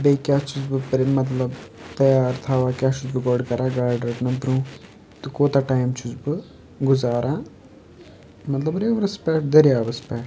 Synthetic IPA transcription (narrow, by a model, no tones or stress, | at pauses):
bejkʲaːt͡ʃuzbɨpɐɾenmɐt̪̬lɐbt̪ɐjaːɾt̪ʰaːʋaːkʲjaːt͡ʃuzbɨɡoɖkɐɾaːɡaːɾɖɾɐʈnɐt̪ɾũː | t̪ɨkoːt̪aʈaːjmt͡ʃuzbɨ | ɡuzaːɾaː | mɐt̪lɐbɾeːʋɾɐspɛːʈd̪ɐɾijaːbɐspɛːʈ